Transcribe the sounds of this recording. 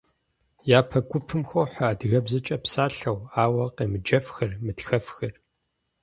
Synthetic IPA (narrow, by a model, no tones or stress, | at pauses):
jaːpʰɐɡʷʊpʰɨmxʷowħaːdɣɐbzɐt͡ʃʼɐpsaːɬɐwaːwɐqeːmɨd͡ʒɐfxɨrmɨtxɐfxɨr